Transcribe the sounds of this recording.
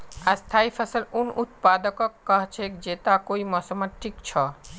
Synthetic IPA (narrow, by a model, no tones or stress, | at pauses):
ast̪ʰaːipʰəsəlunut̪̚pad̪əkɔkːəɦt͡ʃʰekd͡ʒet̪akoimɔsəmət̪ʈʰikt͡ʃʰɔ